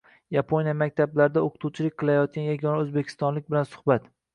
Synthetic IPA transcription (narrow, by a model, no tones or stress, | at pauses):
japʰonjamakʲt̪ʰablaɾɪd̪aoqʰɨ̥t̪ʰuwt͡ʃʰɪlɪkʲqʰɨlajɒt̪̚kʲanjaɡʲɒnaɵzbekʲʰɪ̥st̪ɒnlɪkʲbɪlansʊ̥hbat̪